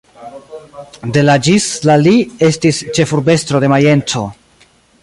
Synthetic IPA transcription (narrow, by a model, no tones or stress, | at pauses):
de̞lad͡ʒislalie̞stist͡ʃe̞fuɾbe̞stɾo̞de̞maje̞ntʰo̞